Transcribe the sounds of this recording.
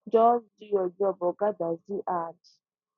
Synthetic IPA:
d͡ʒɔndɪjɔd͡ʒɔbɔɡadaziʔadi

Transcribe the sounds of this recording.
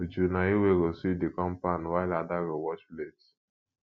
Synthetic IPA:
od͡ʒunaiweɾosivdikɔ̃mpanwaɪladaɹiwɔt͡ʃples

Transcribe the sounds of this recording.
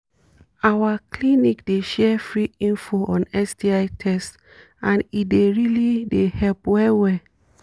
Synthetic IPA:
awaklinikdeʃɛfɹiĩnfoʔɔ̃nɛsdiaɪtʰɛst | ʔãnit̚deɹilidehɛlpwɛwɛ

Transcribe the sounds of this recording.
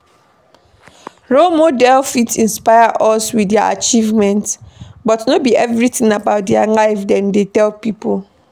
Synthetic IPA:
ɹomodɛlfitĩnspaɪaʔɔswidaa̰t͡ʃivmɛ̃ntbɔtnobiʔɛvɹitĩŋabaʊt̚dɛalaɪfdɛ̃ndetɛlpipol

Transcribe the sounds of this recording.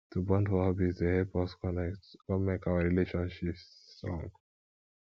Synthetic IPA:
tubɔ̃ndfɔhɔbizdehɛpɔskkɔmɛkawaɹileʃɔ̃nʃipstɹɔ̰̃ŋɡ

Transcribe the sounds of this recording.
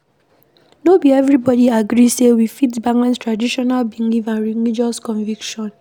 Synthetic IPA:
nobiɛvɹibɔdiaɡɾisewifitbaŋãnstɹadiʃɔnalbiŋivãnɹiŋid͡ʒɔskɔ̃ɱvikʃɔ̃n

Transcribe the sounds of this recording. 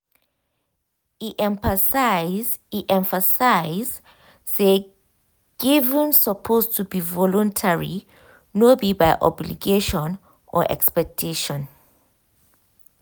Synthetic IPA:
iʔɛ̃ɱpəsaz | iʔɛ̃ɱfəsaɪz | e | ɡ̥ivə̃nsəpʰostʰubivɔlɔ̃ntʰɛɹḭ | nɔbibajʔɔ̰blḭɡeʃɔ̃n | ʔɔ̰ʔɛ̰kspɛk̚tʰeʃɔ̃n

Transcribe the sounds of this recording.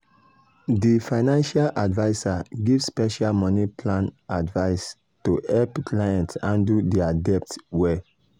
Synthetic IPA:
difaɪnãnʃalʔadvaɪsaɡivspɛʃalmɔnipʰlãnadvaɪs | tuɛlpkʰlajãntsãndudiadɛp̚twɛ

